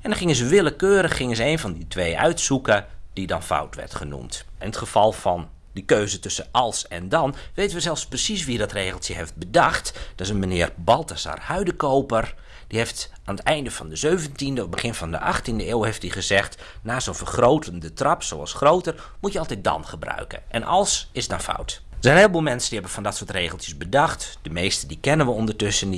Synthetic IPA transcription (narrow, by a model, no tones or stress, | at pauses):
ɛndɔχɪŋəzəʋɪləkøːɾəχːɪŋənzəeːnfɔnditʰʋeːʔœ̰ɥtsukəd̥idɔnfa̰wtʋɛ̰rtχənṵmtʔɪnətχəfɑlˠfɔn | dikøːzətʏsəɑlˠsɛ̰ndɑnʋejtənʋəzɛlˠfsprəsisʋidɔtreːɣəlˠsjəheft̚bədɑxtd̥ɔtɪsənmənɪːərbɑlˠtasa̰rhœɥdəkowpər | d̥iheftʔaːnətɛjndəfɔndəzøɥvəntindəɔbəχɪnfɔndə̰ʔɑxtindəeːwhejftdiχəzɛxt | naːsoːfərχrowtʰəndətrɑpsowɑ̰lˠsχrowtər | mutjəɑlˠtɛj̚dɔ̰nχəbrœ̰ɥkə̰nʔɛ̰nʔɑ̰lˠsɪsdɔnfa̰wt | dəsɛjnɦeːlˠboːlˠmɛnsəndihɛbəfɔndɔtsoːətreːɣəlˠtjəsbədɑxtd̥əmejstədikɛnənʋəɔndərtɵsən